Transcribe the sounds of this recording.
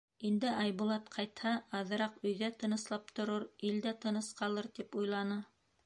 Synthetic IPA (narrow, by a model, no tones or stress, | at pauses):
ind̪ɘɑjbulˠɑt̪qʰɑjt̪hɑːðɤ̆ɾɑqɵ̆jðæt̪ɤ̆nɤ̆slˠɑp̚t̪ŏɾɤɾild̪æt̪ɤ̆nɤsqɑlˠɤɾt̪ipujlˠɑnɤ